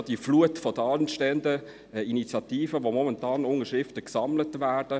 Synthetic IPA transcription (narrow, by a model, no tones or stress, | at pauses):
d̥ifluətfɔd̥əɑnʃtɛəndə | init͡sjɑt̪iːfəʋomɔmɛntɑːnʊŋəʃɾɪftəksɑmlətʋæːrd̥ə